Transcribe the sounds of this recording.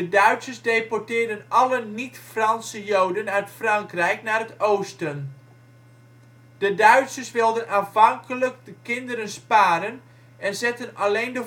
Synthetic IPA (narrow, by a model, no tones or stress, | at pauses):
dədœɥtsəsdejpɔrtɪːrdənʔɑlənitfrɑnsəjowdənœɥtfrɑŋkrɛjknaːrətowstən | d̥ədœɥtsəsʋɪlˠdənaːfɑŋkələk̚dəkɪndəɾənspaːɾən | ɛnzɛtənalejndə